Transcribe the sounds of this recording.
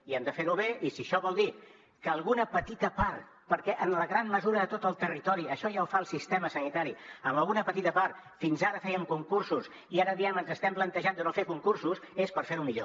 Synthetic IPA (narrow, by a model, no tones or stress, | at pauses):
iɛmd̪əfeɾuβeʔisiəʃɔβɔlˠd̪i | kəːlˠɣunəpət̪it̪əpaɾt̪ | pəɾkɛʔənləɣɾamːəzuɾəðət̪ot̪əlˠt̪ərit̪ɔɾiəʃɔʒaufaəlˠsist̪eməsənit̪aɾiəmbəlˠɣunəpət̪it̪əpart̪ | finzaɾəfɛjəmkuŋkursus | iaɾəðiɛmənzəst̪ɛmplənt̪əʒand̪ənofekuŋkursusespəɾfeɾumiʎo